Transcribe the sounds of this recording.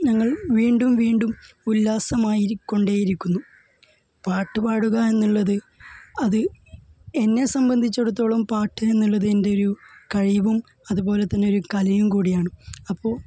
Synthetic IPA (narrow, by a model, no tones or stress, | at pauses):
ɲɐŋːɐɭʋiːɳɖumʋiːɳɖum | ulːaːsɐmaːjikːo̞ɳɖeːjiɾikʲːunːu | paːʈːɨpaːɽuɣɐe̞nːuɭːɐðɨ | ɐðɨ | e̞nːe̞sɐmbɐnd̪ʱit͡ɕːeɽut̪̬ːo̞ːɭɐmpaːʈːɨe̞nːuɭːɐðɨe̞nde̞o̞ɾukɐɻiʋum | ɐðubo̞ːle̞t̪ːɐnːeo̞ɾukɐlɐjumkuːɽijaːɳɨɐpːo̞ːɭ